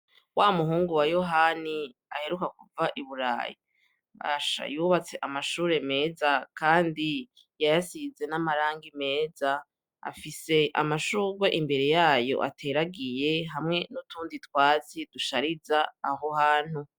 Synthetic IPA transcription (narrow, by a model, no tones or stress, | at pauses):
waːomuɦuːŋɡuwajo̞ɦani | ahe̞ɾukakuvaʔiβuɾa̰ːjḭ | βa̰ʃa̰juβat͡se̞ʔamaʃuːɾe̞me̞ːzakaːndi | jajasize̞namaɾaːŋɡime̞ːza | a̰fise̞ʔa̰maʃuːɡwe̞ʔimbe̞ɾe̞jaːjo̞̰ʔa̰tʰe̞ɾaɡije̞ɦamŋe̞nutuːnditwaːt͡sid̥uʃaɾizaːɦohaːn̥hu